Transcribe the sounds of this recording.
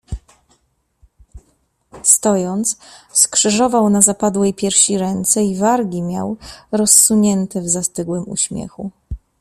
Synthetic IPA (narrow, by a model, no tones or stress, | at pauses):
st̪ɔjɔnt̪sskʂɘʐɔvawnazapad̪wɛjpʲjɛɾfɕiɾɛnt̪sɛivaɾɡʲimʲja̰wɾɔsːuɲɛnt̪ɛvzast̪ɘɡwɘmṵɕmʲjɛ̰xu